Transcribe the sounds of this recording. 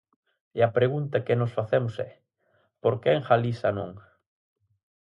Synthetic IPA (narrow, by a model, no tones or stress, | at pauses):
eɐpɾeɣunt̪ɐkɪnosfaθɛmʊsɛ | poɾkeeŋxalisanõ̰ŋ